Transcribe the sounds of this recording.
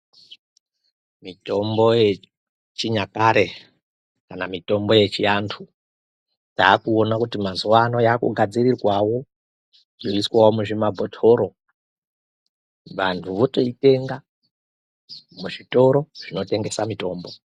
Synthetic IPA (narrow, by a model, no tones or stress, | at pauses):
mito̞mboje | t͡ʃiɲakaɾe̞ | kanamito̞mbo̞je̞t͡ʃiantʰu | taːkuonakutimazuwano̞jakṵɡʱad͡zirirwawo̞ | joiswawomuʐimabʱotʰo̞ɾo̞ | ʋantʰuʋo̞to̞ite̞ŋɡa | muʐito̞ɾo̞ʐ̥ino̞te̞ŋɡe̞samito̞ːmbo̞